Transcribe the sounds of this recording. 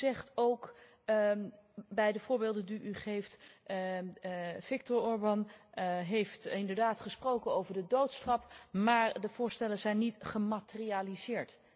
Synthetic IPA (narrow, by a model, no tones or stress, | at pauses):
zɛχtowk | bɛjdəvʊːɹbeːlˠdəndyʔyχejft | v̥ɪk̚tʊɹɔɹbɑnɦejftɪndəɹdaːtχəsprowkənowvəɹdədowtsχɑpmaːɹdəvʊːɹstɛlənzɛjnːitχəmatərializɪːɹt